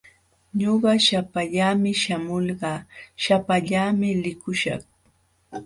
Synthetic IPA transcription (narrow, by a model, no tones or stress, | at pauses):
ɲoɢɑʃapaʎaːmɪʃamolɢɑːʃapaʎaːmɪlɪkʊʃɑ̰χ